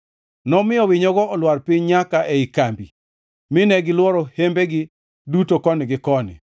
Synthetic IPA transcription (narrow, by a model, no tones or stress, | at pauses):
nɔmɪjɔwɪɲɔɡɔːlwarpɪɲɲakaʔeikambḭ | mɪnɛɡɪlwɔɾɔhembeɡɪ | dutokɔnɪɡɪkɔnɪ̰